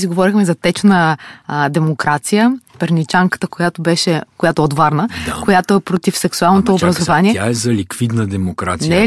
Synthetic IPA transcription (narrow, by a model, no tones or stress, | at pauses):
siɡovɔɾixmɛzɐt̪ɛt͡ʃnəd̪ɛmokɾat̪sijəpɛɾnit͡ʃaŋkə̥t̪əkojat̪obɛʃɛkojat̪oɛot̪vaɾnəkojat̪oɛpɾot̪ifsɛksualˠnot̪oːbɾɐzovaniɛaɛzɐlikvid̪nəd̪ɛmokɾa̰t̪sinɛ